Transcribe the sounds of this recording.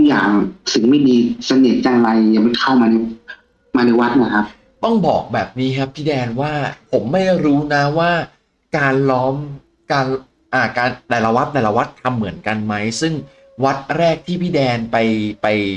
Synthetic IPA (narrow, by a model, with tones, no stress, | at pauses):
t̪ʰu˦˥k̚ja̰ː˨˩ŋsɯ˨˩ŋma˥˩jdiː˧sa˧ni˨˩t̪̚jaː˧ŋɾa˧jjaː˨˩ma˧˩kʰa˥˩wmaː˧na˧j | maː˧na˧jwa˦˥t̪̚na˧˩kʰa˦˥p̚ | t̪ɔ˥˩ŋbɔː˨˩k̚bɛː˨˩p̚niː˦˥kʰa˦˥p̚pʰiː˥˩dɛː˧nwaː˥˩pʰo˩˦mːa˥˩jɾuː˦˥na˦˥waː˥˩ | kaː˧nlɔː˦˥m | kaː˧n | ʔaː˧˩kaː˧nd̪ɛː˨˩la˧wa˦˥t̪̚d̪ɛː˨˩la˧wa˦˥t̪ʰːa˧mːɯ˨˩˦ənka˧nma˦˥jsɯ˥˩ŋ | wa˦˥t̪̚ɾɛː˥˩k̚t̪ʰiː˥˩pʰiː˥˩dɛː˧npa˧jpa˧j